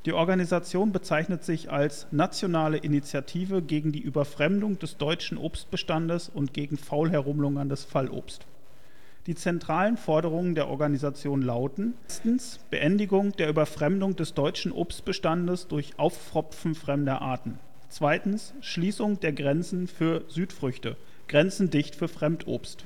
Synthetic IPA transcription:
d̥iːʔɔɐɡanizat͡sjoːnbət͡saɪçnətz̥ɪçalsnat͡sjonaːləʔɪnit͡sjatʰiːvəɡeːɡŋ̩diːʔyːbɐfʁ̥ɛmdʊŋd̥ɛsd̥ɔʏt͡ʃn̩ʔo̰ːpst̚b̥əʃtandəsʊntɡ̥eːɡŋ̩faʊlɦɛɐʁ̞ʊmlʊŋəndɛsfalʔo̰ːpst | d̥iːt͡sɛntʁ̥aːlənfɔɐɾəʁ̞ʊŋəndeːɐʔɔ̰ɐɡanizat͡sjoːnlaʊtn̩stn̩s | b̥əʔɛndɪɡʊŋd̥eːɐʔyːbɐfʁ̥ɛmdʊŋdɛsd̥ɔʏt͡ʃn̩ʔo̰ːpst̚b̥əʃtandəsd̥ʊɐçʔaʊffʁ̥ɔpp͡fn̩fʁ̥ɛmdəʔa̰ːɐtn̩ | t͡sv̥aɪtn̩s | ʃliːsʊŋd̥eːɐɡʁɛnt͡sn̩fyːɐzyːtfʁ̥ʏçtə | ɡ̥ʁɛnt͡sn̩dɪçtfyːɐfʁ̥ɛmtʰʔo̰ːpst

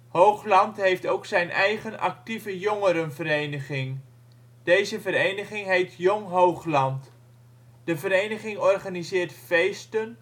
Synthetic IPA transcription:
howχlɑntɦejftowksɛjnɛjχənɑ̰k̚tivəjoŋəɾənvəɾejnəχɪŋ | d̥ejzəvəɾejnəχɪŋɦejtʰjoŋɦowχlɑnt | d̥əvəɾejnəχɪŋɔrχanizɪːɹtfejstən

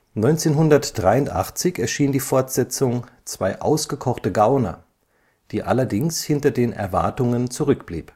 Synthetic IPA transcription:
nɔʏnt͡seːnɦʊndɐtd̥ʁaɪʊntʔa̰χt͡sɪçɛɐʃiːndiːfɔɐtz̥ɛt͡sʊŋt͡sv̥aɪʔa̰ʊsɡ̥əkʰɔχtəɡaʊnɐ̰ | d̥iːʔa̰lɐdɪŋshɪntɐdeːnɛ̰ɐva̰ɐtʊŋənt͡suʁʏk̚b̥lḭːp

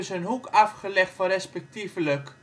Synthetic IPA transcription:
ɪsənɦukafχəlɛχtfɔnrɛspɛk̚tivlək

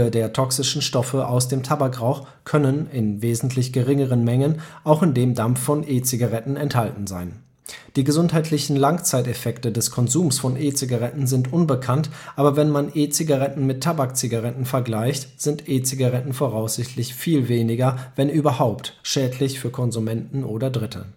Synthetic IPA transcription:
ədeːɐtʰɔksɪʃn̩ʃtɔfəʔaʊsd̥eːmtʰabakʁaʊx | kʰœnənɪnveːzn̩tʰlɪçɡ̥əʁɪŋəʁənmɛŋənʔaʊxɪndeːmdamffɔnʔeːt͡siɡaʁɛtn̩ɛnthaltn̩zaɪn | d̥iːɡəzʊnthaɪtʰlɪçn̩laŋt͡saɪtɛfɛktədɛskʰɔnzuːmsfɔnʔeːt͡siɡaʁɛtn̩zɪntʔʊnbəkʰantʔaːbɐvɛnmanʔeːt͡siɡaʁɛtn̩mɪtʰːabakt͡siɡaʁɛtn̩fɛɐɡlaɪçtz̥ɪntʔeːt͡siɡaʁɛtn̩foʁaʊsz̥ɪçtʰlɪçfiːlveːnɪɡɐvɛnʔyːbɐhaʊptʃɛːdlɪçfyːɐkʰɔnzumɛntn̩ʔoːdɐdʁɪtʰə̰

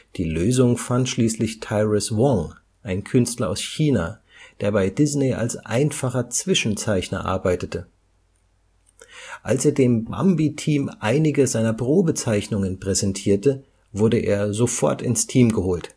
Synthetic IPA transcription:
d̥iːløːzʊŋfantʃliːslɪçtʰaɪʁɪswɔŋ | ʔaɪnkʰʏnstlɐa̰ʊsçiːna | d̥eːɐbaɪdɪznea̰lsʔa̰ɪnfaχɐt͡sv̥ɪʃn̩t͡saɪçnɐ̰ʔa̰ɐbaɪtətə | ʔalseːɐdeːmba̰mbitʰiːmʔaɪnɪɡəzaɪnɐpʁ̥oːbət͡saɪçnʊŋənpʁ̥ɛzɛntʰiːɐtə | vʊɐdəʔḛːɐzofɔɐtɪ̰nstʰiːmɡəhoːlt

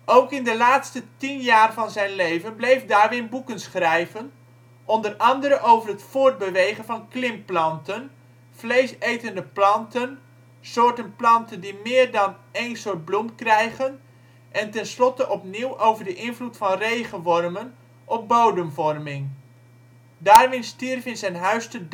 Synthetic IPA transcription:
ʔowkɪndəlaːtstətinjaːrvɑnzɛjnlejvənblejfdaːrʋɪnbukənsχrɛjvən | ʔɔndərɑndəɾəʔowvərɦətfʊːɹd̚bəʋejχənvɑnklɪmplɑntən | flejsejtəndəplɑntən | sʊːɹtənplɑntəndimɪːrdɑnejnsʊːt̚blumkrɛjɣən | ʔɛntɛnslɔtəʔɔpniwʔowvərdəʔɪnvlutfɑnrejχənʋɔrmən | ʔɔpbowdəmvɔrmɪŋ | daːrʋɪnstirfɪnzɛjnɦœɥstə

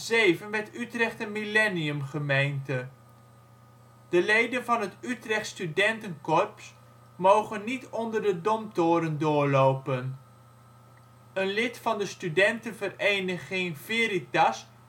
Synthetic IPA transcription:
zejvənʋɛtytrɛχtəmilɛniəmχəmejntə | d̥əlejdənvɑnɦətytrɛχtstydɛntənkɔɹps | mowχənːitɔndərdədɔmtʊːɾəndʊːɹlowpən | ənlɪtfɑndəstydɛntənvərejnəχɪŋvɪɾitas

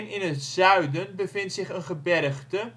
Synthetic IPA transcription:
nɪnətz̥œɥdənbəfɪntsɪχənχəbɛrəχdə

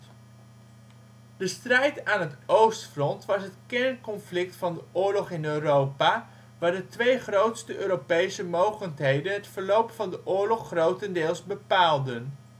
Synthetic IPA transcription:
dəstrɛjtaːnɦətowstfrɔntʋɑsɦətkɛɹnkɔnflɪk̚tfɑndəʔʊːɹlɔχɪnøːrowpaː | ʋaːɹdətʋejχrowtstəʔøːɾopejsəmowχəntɦejdənɦətfəɹlowpfɑndəʔʊːɹlɔχːrowtəndɪːlˠzbəpaːlˠdən

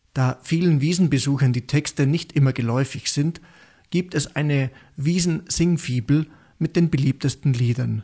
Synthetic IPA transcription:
d̥aːfiːlənviːzn̩bəzuːxɐndiːtʰɛkstənɪçtʔɪmɐɡəlɔʏfɪçz̥ɪnt | ɡ̥iːp̚tɛsʔa̰ɪnə | viːzn̩z̥ɪŋfiːbl̩ | mɪt̚d̥eːnbəliːp̚təstn̩liːdɐn

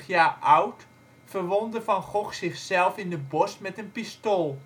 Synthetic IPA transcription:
χjaːʔawt | fərʋɔndəfɑnχɔxsɪχsɛlˠfɪndəbɔsmɛtənpistoːlˠ

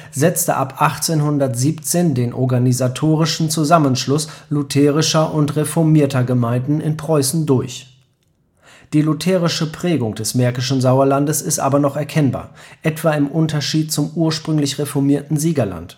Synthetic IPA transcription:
zɛt͡stə̰ʔapʔaχt͡seːnhʊndɐtz̥iːpt͡seːndeːnʔɔ̰ɐɡanizatʰoːʁɪʃn̩t͡suzamənʃlʊslʊtʰɛːʁɪʃɐʔʊntʁefɔɐmiːɐtɐɡəmaɪ̃ndn̩ɪnpʁ̥ɔʏsn̩dʊɐç | d̥iːlʊtʰɛːʁɪʃəpʁ̥ɛːɡʊŋd̥ɛsmɛɐkɪʃn̩zaʊɐlandəsɪstʔa̰ːbɐnɔχɛɐkʰɛnba̰ːɐʔɛtv̥aːɪmʔʊntɐʃiːt̚t͡sʊmʔuːɐʃpʁ̥ʏŋlɪçʁefɔɐmiːɐtn̩ziːɡɐla̰nt

